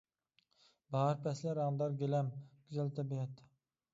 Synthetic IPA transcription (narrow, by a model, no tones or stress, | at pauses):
bɑɾpʰɛslæɾɑnd̪ɑɾɡʲelɛmɡ̥ʲyzɛlt̪ʰɛbijɛt̪ː